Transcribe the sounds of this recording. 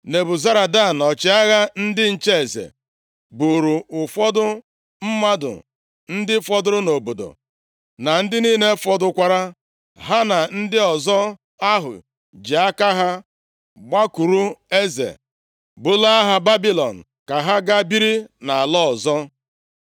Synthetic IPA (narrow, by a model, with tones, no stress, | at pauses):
ne˨bʊ˨za˦ɾa˨da˦˨nɔ˨t͡ʃɪ˨˦a˦ɣa˦n̩˦dɪ˦n̩˨t͡ʃe˦e˨zḛ˨ | bu˨ɾu˨ʊ˨fɔ˦dʊ˦ | m̩˦ma˦dʊ̰˨ | n̩˦dɪ˦fɔ˦dʊ˦ɾʊ˦no˨bo˨do̰˨ | na˨n̩˦dɪ˦niː˦ne˦fɔ˦dʊ˨kʷa˨ɾa˦ | ɦa˦na˨n̩˦dɪ˦ɔ˨zɔ˦ | a˦ɦʊ̰˨ | d͡ʒi˨a˦ka˦ɦa˦ | ɡ͡ba˦ku˨ɾu˦e˦zḛ˨ | bʊ˨la˦a˦ɦa˨ba˦bi˦lɔ̰˨n̩˨ | ka˨ɦa˦ɡa˦bi˦ɾi˦na˨a˨lɔ˦ɔ˨zɔ˦